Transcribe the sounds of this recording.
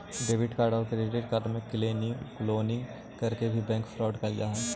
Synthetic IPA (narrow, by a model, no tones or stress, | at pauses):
ɖeːʋɪɖkaːɾɖɔːɾkeɾeʈeɖkaːɾɖmẽkɪleːnikloːnɪ̃ŋɡ | kɐɾkebʱibɛ̃ːŋkfɾɔːɖkɐld͡ʒaːɦɛ̃